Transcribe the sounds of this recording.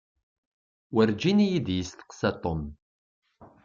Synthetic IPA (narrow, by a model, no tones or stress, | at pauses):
wəɾd͡ʒinijid̪jəst̪ə̥qsæt̪ˤom